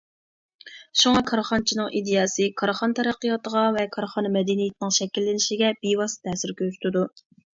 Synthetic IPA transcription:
ʃuŋɑkʰɑɾχɑnt͡ʃʰinɨŋʔid̪ejɑːsɨkʰɑɾχɑnt̪ʰɛɾæqːəjɑt̪əʁɑvɛkʰɑɾχɑnmɛd̪ɪnijɪt̪ɪnɪŋʃɛkʲilːɪnɪʃiɡʲɛbiwɑst̪ʰɛːsɪɾkʲʰøzy̥t̪ʰɪd̪u

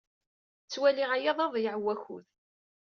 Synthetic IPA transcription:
t͡sːwæliʁajɑðˤɑðˤjəʕwæçṵð

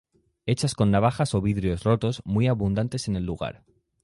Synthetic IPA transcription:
e̞t͡ʃasko̞nːaβ̞axaso̞βiðɾio̞zro̞t̪o̞zmwijaβund̪ant̪e̞se̞ne̞lːuɣ̞a̰ɾ

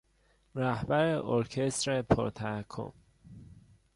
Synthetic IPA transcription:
ɾæhbæɾeʔoɾcʰest̪ɾepʰo̰ɾt̪ʰækʰːo̰m

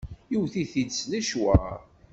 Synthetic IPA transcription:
jiwθiθid̪slæʃwæ

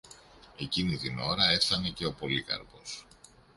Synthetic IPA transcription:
e̞cinit̪ino̞ɾɐe̞fθɐne̞ce̞o̞po̞likɐ̰ɾpo̞s

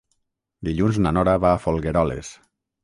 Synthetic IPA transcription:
d̪iʎunznanɔɾaβaːfolˠɣeɾɔlḛs

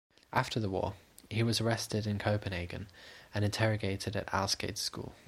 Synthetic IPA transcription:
ʔaftʰəðəwɔ̰ːhiwɒzəɹɛstɪdɪ̃nkʰəʊpə̃neɪɡə̰̃nə̃ñɪ̃ntʰɛɹəɡeɪtʰɪdə̰ta̰lˠskeɪd̥skṵːlˠ

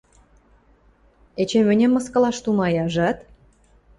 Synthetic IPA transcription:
et͡ɕemɘ̆nʲemːɤ̆skɤ̆lɑʃt̪umɑjɑʒɑt̪

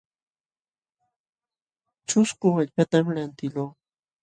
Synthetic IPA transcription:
t͡ʃʊskʊaʎpat̪amlant̪ɪloː

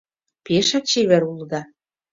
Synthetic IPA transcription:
peʃɑk̚t͡ɕeβĕɾuld̪ɑ

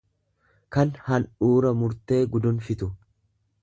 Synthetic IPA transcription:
kɐnhɐnuːɾɐmʊɾt̪e̞ːɡʊd̪ʊnfɪt̪ʊ

